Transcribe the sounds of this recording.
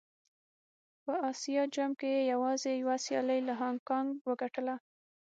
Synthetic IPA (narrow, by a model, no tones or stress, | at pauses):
pəɑsijɑd͡ʒamkejejawɑzejwasjɑ̰ləjlaɦɑŋkɑŋɡwəɡaʈəla